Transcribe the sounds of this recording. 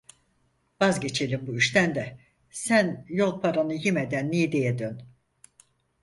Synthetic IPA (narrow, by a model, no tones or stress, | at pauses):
vazɟe̞t͡ʃʰe̞lʲimbuyʃt̪ʰænd̪ɛ | sænjo̞lˠpʰaɾanɯjimed̪ænːijid̪ejɛd̪øn